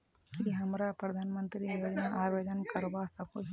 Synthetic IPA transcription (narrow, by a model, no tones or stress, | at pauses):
kiɦɐmɾapɾɐd̪ʱaːnmə̃nt̪ɾijoːd͡ʒnaʔaːʋeːd͡ʒ̪ənkɐɾʋasɐkoɦ